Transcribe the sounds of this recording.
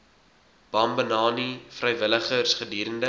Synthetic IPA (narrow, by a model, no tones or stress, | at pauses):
b̥ɐmbənɑːnifrəjvələχərsχədiːɾəndə